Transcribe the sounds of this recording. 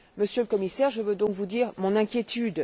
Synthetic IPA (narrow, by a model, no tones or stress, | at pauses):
məsjøləkɔmisɛʁʒəvød̪ɔ̃kvud̪iːʁmɔ̃nɛ̃kʲjet̪yd̪